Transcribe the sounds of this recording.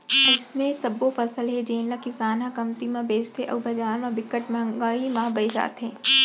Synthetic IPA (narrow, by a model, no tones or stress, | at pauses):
ɪsnesɐbːofʰɐsəlɦed͡ʒeːnlakɪsaːnãkɐmt̪imãbeːst̪ʰeʔɔ̰ːbɐd͡ʒaːɾmãbɪkːəʈmɐ̃ŋɡaːimãːbɐid͡ʒa̰ːt̪ɦɛ̃ː